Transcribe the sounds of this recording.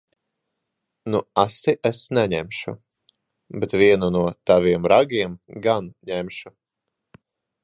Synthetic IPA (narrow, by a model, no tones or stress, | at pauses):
nuasiʔesnɛɲɛmʲʃu | bɛt̪vʲiɛnunuɔt̪aviɛmɾaɡʲiɛmɡanɲɛmʃu